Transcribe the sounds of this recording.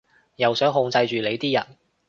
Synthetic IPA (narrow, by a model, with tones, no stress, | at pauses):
jɐ˨wsœː˨˥ŋɦʊ˧ŋt͡sɐ˧jt͡ʃyː˨le˨˧jt̪iː˥jɐ˨˩n